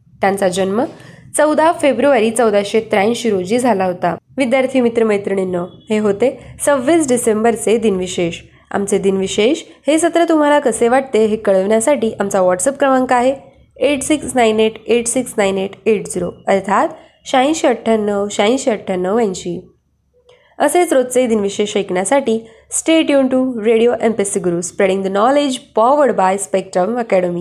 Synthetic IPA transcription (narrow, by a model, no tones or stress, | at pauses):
t̪jãnt͡sad͡ʑənmət͡səwd̪ʱafebɾuʋaɾiːt͡səwd̪aɕet̪ɾaj̃ɕiɾod͡ʑiːd͡zʱalaɦot̪aʋid̪jaɾt̪ʰiːmit̪ɾəməjt̪ɾəɳ̃inːəheɦot̪et͡səʋːisɖisembəɾt͡sed̪inʋiɕeɕ | a̰mt͡sed̪inʋiɕeɕhesət̪ɾət̪um̤alakəseʋaʈ̚t̪eɦekəɭəʋɳjasaʈiːʔamt͡saʋɔʈsəp̚kɾəmaŋkaaɦe | eʈsiksnaineʈeʈsiksnajneʈeʈd͡ziɾoəɾt̪ʰat̪ | ɕaĩɕəʈʰːanəʋɕãĩɕiəʈʰːənəjãɲt͡ɕiː | əset͡sɾot̪̚t͡sed̪inʋiɕeʃəjkɳjasaʈiː | sʈeʈjuɳʈuɾeɽijoʔempesiɡuɾuspɾeɽiŋd̪ənɔled͡ʑfɔʋəɽbajspek̚ʈɾəməkɛɽəmi